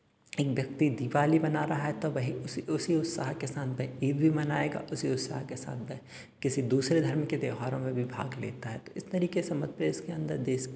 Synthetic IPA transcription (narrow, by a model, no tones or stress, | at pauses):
eːkʋjɐk̚t̪id̪iːʋaːlibɐnaːɾɐɦaɦɛt̪oʋɐɦĩʊsiʊsiʊt̪saːɦkesaːt̪̚ʰbʱɛeːb̪̚bʱimɐnaːeːɡa̰ʔʊsiʊt̪sa̰ːɦkesa̰ːt̪̚ʰbɛ̃ | kɪsid̪uːsɾed̪ʱɐɾmked̪eːɦaːɾõmẽbʱibʱa̰ːɡleːt̪aɦɛt̪oɪst̪ɐɾiːkesemɐt̪̚pɾeːskeɐ̃nd̪əɾd̪eːs